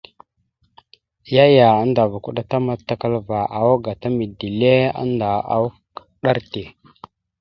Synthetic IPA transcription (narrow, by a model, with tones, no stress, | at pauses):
ja˦ja˨a˦nda˨va˨ku˦ɗa˦ta˦ma˦tːa˦ka˦lva˨ʔa˨wa˦ɡa˨ta˦mi˨di˨le˦a̰˦nda˨a̰˨w | ɗa˦ɾte˨